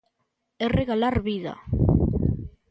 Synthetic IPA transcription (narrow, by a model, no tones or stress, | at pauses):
ereɣalaɾβiða̰